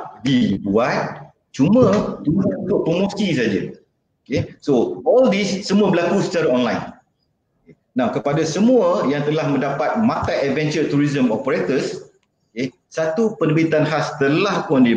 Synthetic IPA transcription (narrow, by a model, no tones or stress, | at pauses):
dibuat̪̚ | t͡ʃumə̃t̪uuut̪ʊʔ̚pɾomosisad͡ʒa̰ | okesoɔldisːəmũabəlakusət͡ʃaɾaɔnlajn | oe | nakəpadasəmũəjaŋt̪əlahmə̃ndapat̪̚mãt̪aʔɛd̚vɛnt͡ʃət̪uɾizəmopəɾet̪əs | oke | sat̪upənəbit̪anɦast̪əlahkuandi